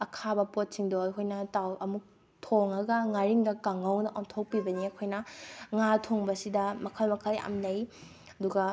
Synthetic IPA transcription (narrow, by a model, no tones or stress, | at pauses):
ɐkʰabɐpot̚siŋdoɐjkʰojnɐtawʔɐmuk̚ | tʰoŋɐɡɐŋaɾiŋdɐkaŋɐwnɐʔoŋtʰok̚pibɐniɐkʰojnɐŋatʰoŋbɐsidɐmɐkʰɐlmɐkʰɐla̰mnɐj | ɐduɡɐ